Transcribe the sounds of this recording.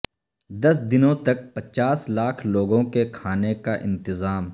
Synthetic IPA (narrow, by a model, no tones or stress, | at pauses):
d̪ɐsd̪ɪnõt̪ɐk̚pɐt͡ʃaːslaːkʰloːɡõkekʰaːnekaʔɪ̰̃nt̪ɪzaːm